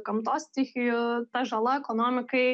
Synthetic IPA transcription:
kɐmt̪ɔsʲt̪ʲixʲijʊt̪ɛʒɐlˠaɛkɔnɔmʲɪkɪ

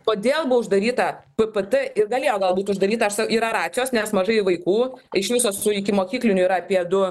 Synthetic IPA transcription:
koːd̪ʲeːlˠbʊʋɐʊʒd̪ɐɾʲiːt̪ɐpɨpət̪ɨɪrɡɐlʲeːjoːɡɐlˠbuːt̪ʲʊʒd̪ɐɾʲiːt̪ɐɐʃsɐkiːɾɐɾɑːt͡sʲɪjoːsnʲɛsmɐʒɐɪʋɐɪkuːɪʃʋʲɪsoːsʊɪkʲɪmoːkʲiːklʲɪnʲʊiɾɐɐpʲiɛd̪ʊ

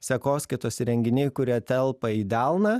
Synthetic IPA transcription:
sʲɛkoːsʲkʲɪt̪oːsʲɾʲɛŋʲɡʲɪnʲeːkʊɾʲiːt̪ʲɛlˠpɐiːd̪ʲælˠnɐ

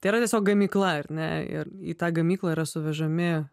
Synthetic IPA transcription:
t̪ɐɪiɾɐt̪ʲɛsʲoːk̚ɡɐmʲiːklˠɐɐrʲnʲɛ̰ɪ̰rḭt̪ɑːɡɐmʲiːklˠɐiɾɐsʊʋʲɛʒɐmʲɪ

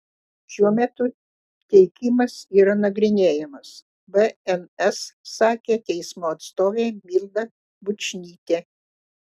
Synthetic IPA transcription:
ʃʲuɔmʲɛt̪ʊ | t̪ʲɛɪkʲɪmɐsiːɾɐnɐɡɾʲɪnʲeːjɛmɐs | bɛɛnɛsːɑːkʲeːt̪ʲɛɪsmoːɐt̪st̪oːʋʲɛɪmʲilʲˠd̪ɐ | bʊt͡ʃʲnʲiːt̪ʲeː

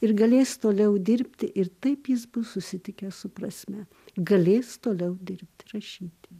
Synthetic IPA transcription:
ɪɾɡɐlʲeːst̪oːlʲɛʊd̪ʲɪɾʲpʲt̪ʲɪʔɪɾt̪ɐɪpjɪs̬bʊssʊsʲɪt̪ʲɪkʲɛssʊpɾɐsʲmʲɛ | ɡɐlʲeːst̪oːlʲɛʊd̪ʲɪɾʲpʲt̪ʲɾɐʃʲiːt̪ʲɪ

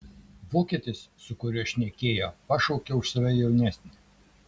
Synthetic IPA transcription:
ʋoːkʲiɛt̪ʲɪssʊkʊɾʲɪʃʲnʲɛkʲeːjoːpɐʃɔʊkʲɛʊʃsɐʋʲɛjɛʊnʲæsʲnʲɪ

